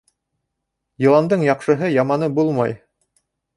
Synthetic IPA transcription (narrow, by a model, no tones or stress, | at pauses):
jɤ̆lˠɑnd̪ɤɴjɑqʃɤ̆ɦɤjɑmɑnɤbulˠmɑ̰j